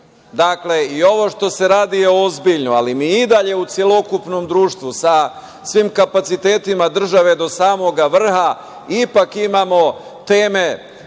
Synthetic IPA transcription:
d̪akle̞io̞ʋo̞ʃt̪o̞se̞ɾaːd̪ijeozbiʎnoalimiːid̪aʎe̞ut̪sje̞lo̞kupno̞md̪ɾuːʃt̪ʋusa | sʋimkapat̪sit̪eːt̪imad̪r̩ʒaʋe̞d̪o̞saːmo̞ɡaʋr̩ha | ipakimamo̞ | t̪e̞ːme̞

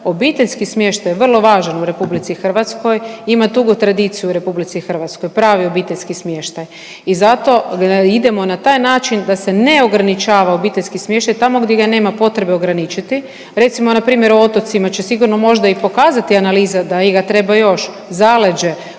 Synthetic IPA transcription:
o̞biːt̪eʎʲskismje̞ʃt̪ajʋr̩lˠo̞ʋaːʒanuɾe̞publit̪sixr̩ʋat̪sko̞jimat̪uɡot̪ɾad̪it̪sijuɾe̞publit̪sixr̩ʋat̪sko̞jpɾaːʋio̞biːt̪e̞ʎʲskismʲje̞ʃt̪aj | izat̪o̞id̪e̞mo̞nat̪aːjnaːt͡ʃind̪ase̞neo̞ɡɾanit͡ʃaːʋao̞biːt̪e̞ʎʲskismʲje̞ʃt̪ajt̪amo̞ɡd̪jeɡane̞ːmapo̞t̪ɾe̞be̞o̞ɡɾanit͡ʃit̪i | ɾe̞t̪simo̞napɾiːmje̞ɾoot̪o̞t̪simat͡ɕe̞siɡuɾno̞mo̞ʒd̪aipo̞kaːzat̪ianaliːzad̪aiɡat̪ɾe̞bajo̞ʃ | zale̞d͡ʒe̞

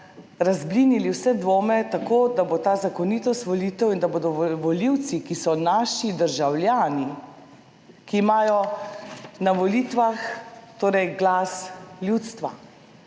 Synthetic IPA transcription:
ɾazbliniliwsɛd̪ʋoːmɛt̪akoːd̪abot̪aːzakɔnit̪ɔst̪ʋɔliːt̪ɛwind̪aboːd̪ɔʋɔliwt̪sikisɔnaʃid̪əɾʒawlʲjaːni | kiːmaːjɔ | naʋɔlit̪ʋaxt̪oːɾɛjɡlasljut̪st̪ʋa̰

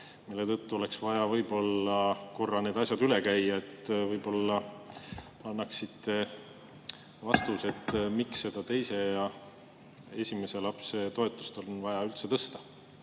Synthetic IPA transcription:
milːe̞t̪ɤt̪ːuo̞le̞ksvɑjɑvɤjb̥o̞lːɑko̞rːɑned̪ɑsʲjɑd̪yle̞kæjːɑe̞t̪ːˑvɤjbo̞lːɑ | ɑnːɑksit̪ːe̞ | vɑst̪use̞t̪ːmiksːe̞d̪̥ɑt̪e̞jse̞jɑ | e̞̰sʲimese̞lɑpse̞t̪o̞e̞t̪ːˑu̥st̪elo̞nvɑjɑylt̪se̞t̪ɤst̪ɑ̥

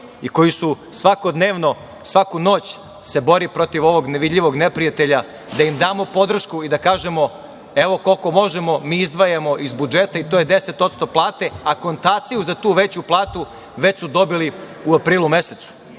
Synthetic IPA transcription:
iko̞jisu | sʋako̞d̪neːʋno̞ | sʋakuno̞ːt͡ɕ | se̞bo̞ɾipɾo̞t̪iʋo̞ʋo̞ɡneʋid̪ʎʲiʋo̞ɡnepɾijat̪e̞ʎa | d̪aimd̪aːmo̞po̞d̪r̩ʃkuid̪akaːʒe̞mo̞ | eʋo̞ko̞lko̞mo̞ʒemo̞miːizd̪ʋajamo̞ʔizbud͡ʒet̪ait̪ojed̪ese̞t̪o̞t̪st̪o̞plˠaːt̪e̞ako̞nt̪aːt̪sijuzat̪uːʋet͡ɕuplˠaːt̪u | ʋe̞t͡ɕsud̪o̞bili | uapɾiːlˠume̞set̪su̥

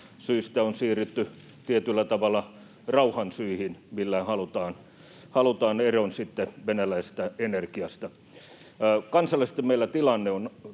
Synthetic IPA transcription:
syist̪æonsiːryt̪ːy | t̪iet̪ylːæt̪ɑʋɑlːˑɑ | rɑuhɑnsyihinmilːæhɑlut̪ɑːn | hɑlut̪ɑːneronsit̪ːeʋenælæist̪æenerkiɑst̪ɑ | kɑnsɑlːˑɑs̆t̪emmeilːˑæt̪ilɑnːeon

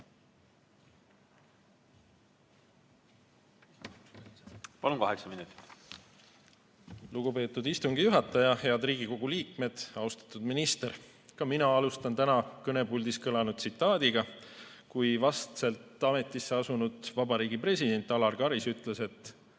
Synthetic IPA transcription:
pɑlunkɑheksɑminut̪ːˑi̥t̪ː | luɡ̥upe̞ːt̪ːˑud̪ist̪uŋɡ̥ijuɦɑt̪ːˑɑjɑheɑd̪riːɡ̥iko̞ɡ̥uliːkme̞d̪̥ɑust̪ɑ̥t̪ˑːud̪minist̪e̞ɾ | kɑminɑɑlust̪ɑnt̪ænɑkɤne̞bulʲd̪̥iskɤlɑnud̪̥sit̪ːˑɑːd̪̥iɡ̥ɑ | kujvɑst̪selt̪ːˑɑme̞t̪ːˑisːeɑsunud̪̥vɑbɑɾiːɡ̥ipre̞sid̪e̞nʲt̪ːˑɑlɑrɡ̥ɑɾisyt̪ːˑle̞se̞t̪ːˑ

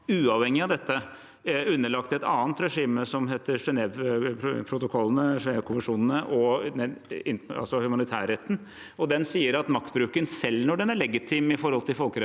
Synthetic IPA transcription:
ʉːɑʋhɛŋːɪɑd̪ɛt̪ːə | ʉnːəɭɑkt̪ɛt̪ɑ̰ːnt̪ɾɛʂiːməsɔmɦeːt̪əɾʂɛnɛʋpʰɾʊt̪ʊkʰɔlːənəʂɛnɛʋkʰʊməʂuːnənəʔɔɛɪɑ̰lsɔhʉmɑnɪt̪ʰæ̰ːɾɛt̪ːn̩ | ɔd̪ɛnsiːəɾɑt̪mɑkt̪bɾʉːkənsɛlːnɔɖɛnæɭɛɡɪt̪ʰɪmɪfɔɾhɔlt̪ɪlfɔlkəɾɛ

